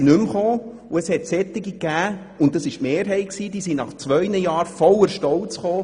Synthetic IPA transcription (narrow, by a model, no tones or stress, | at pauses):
nʏmχoː | uəshɛt̪sɛt̪ːɪɡikæː | ʊntd̥ɑsɪʃtmeːɾɦɛɪksiːd̥̪iːsinɑχt͡sʋœjnəjɑːɾfɔləɾʃtɔwt͡sχoː